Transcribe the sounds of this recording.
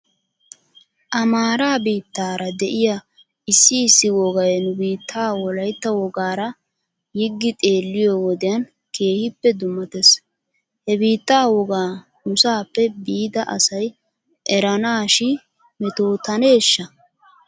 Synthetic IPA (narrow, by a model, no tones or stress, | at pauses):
ʔɐmaːɾaːbiːt̪ːaːɾɐd̪ɛʔɪja | ʔɪsːɪːsːɪwɔɡɐjnʊbiːt̪ʰːaːwɔlɐjt̪ːɐwɔɡaːɾɐ | jɪɡːɪt̪ʼe̞ːlːɪjɔwɔd̪ɪjɐn | ke̞ːhɪpːɛd̪ʊmːɐt̪es | hɛbiːt̪ːaːwɔɡaː | nʊsaːpːɛbiːd̪ɐʔɐsɐj | ʔɛɾɐnaːʃɪ | mɛt̪o̞ːt̪ɐne̞ːʃːɐ